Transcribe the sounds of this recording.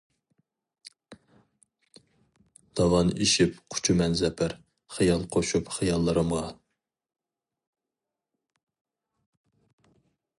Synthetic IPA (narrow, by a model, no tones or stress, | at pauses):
d̪̥ɑvɑniʃipqʰʊ̥t͡ʃʰumɛnzɛpʰæɾ | χijɑlˠqʰoʃupχɨjɑlˠːɨɾɨmʁɑ